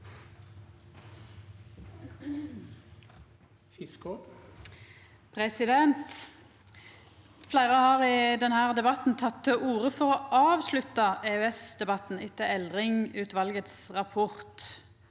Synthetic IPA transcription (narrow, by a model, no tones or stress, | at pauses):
fɪsko | pʰʁɛsɪd̪ɛnt̪ | flæɪʁəhɑːʁɪd̪ɛnhæːʁd̪ɛbɑt̪n̩t̪ʰɑt̪ʰːəʔuːʁəfɔʁoːʔɑːʋslʉt̪ɑeːʉɛsd̪ɛbɑt̪n̩ɪt̪ːəɛld̪ʁɪŋʉːt̪ʋɑlɡət̪sʁɑpʰɔʁt̪